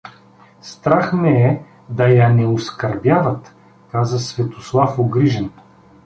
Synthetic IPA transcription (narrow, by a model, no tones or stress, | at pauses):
st̪ɾaxnɛɛ | d̪ɐjɐnɛoskɐɾbjavɐt̪ | kazəsvɛt̪oslˠafoɡɾiʒɛn